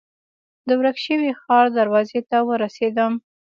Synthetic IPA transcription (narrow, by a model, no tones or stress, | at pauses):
d̪əwɾakʃəwixɑɾd̪aɾwɑzet̪awəɾased̪əm